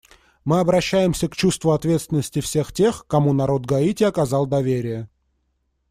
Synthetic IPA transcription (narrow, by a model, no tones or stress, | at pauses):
mɨɐbɾɐɕːæjɪmsʲəkt͡ɕust̪vʊɐt̪vʲet̪st̪vʲɪnːəsʲtʲɪfsʲe̞xtʲe̞xkɐmunɐɾo̞t̪ɡɐitʲɪɐkɐzɑlˠd̪ɐvʲeɾʲɪjə